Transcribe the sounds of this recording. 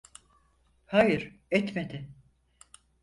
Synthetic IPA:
hajɯɾ̥ɛt̪med̪ɪ

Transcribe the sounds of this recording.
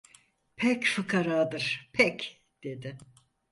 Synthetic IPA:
pʰɛcfɯkʰaɾaːd̪ɯɾ̥pʰɛc | d̪̥e̞d̪ɪ

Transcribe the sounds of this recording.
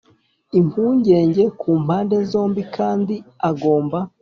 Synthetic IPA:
imhuːɲɟe̞ːɲɟe̞kʰuːm̥haːnde̞zo̞ːmbikʰaːndiaɡo̞ːmba

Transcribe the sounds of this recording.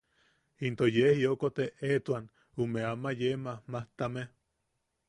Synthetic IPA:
int̪ojehjokot̪eet̪wan | umeamajemahmaht̪ame

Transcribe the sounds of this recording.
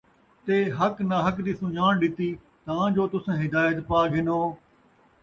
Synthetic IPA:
t̪eːɦəknaːɦəkd̪iːsũːjaːɳɖɪt̪iː | t̪aãːd͡ʒoːt̪ʊsãːɦɪd̪aːjət̪paːɡʱɪnoː

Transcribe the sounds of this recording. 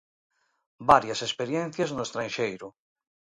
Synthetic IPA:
baɾjasespeɾjẽn̟θjaznoest̪ɾanʃejɾʊ

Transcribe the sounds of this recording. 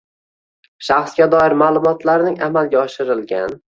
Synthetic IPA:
ʃaχsɡʲad̪ɒɪɾmaːlˠʊmɒt̪ʰlaɾnɪŋa̰malˠɡʲaɒʃɪɾɪlɡʲan

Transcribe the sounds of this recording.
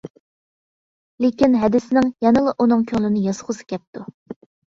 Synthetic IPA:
lekʲinɦɛd̪ɪsɪnɪŋjɑnɨlˠəʔunɨŋkʲʰøŋlɪnɪjɑsχʰʊsɨ̥kʲɛp̚t̪u

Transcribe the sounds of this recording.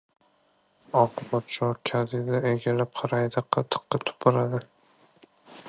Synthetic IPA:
ɒqʰʊbɒt̪t͡ʃʰɒkʲʰad̪ɪd̪aeɡʲalap̚qʰɑɾajd̪aqʰɑt̪ʰɨ̥q̪ːɨt̪ʰʊ̥pʰʊɾad̪ɪ

